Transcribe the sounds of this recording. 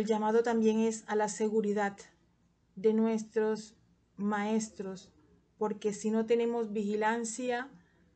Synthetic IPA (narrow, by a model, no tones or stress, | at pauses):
elʝamað̞o̞t̪ambje̞ŋe̞salase̞ɣuɾiðad̪ | d̪e̞nwe̞st̪ɾo̞s | mae̞st̪ɾo̞s | po̞ɾke̞sino̞t̪e̞ne̞mo̞zbixilansja